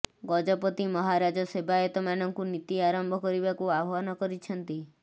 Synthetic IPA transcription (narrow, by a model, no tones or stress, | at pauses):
ɡɔd͡ʒɔpɔt̪imɔɦaɾad͡ʒɔsebaet̪ɔmanɔŋkunit̪iaɾɔmbʱɔkɔɾibakuabʱɔnɔkɔɾit͡ʃʰɔnt̪i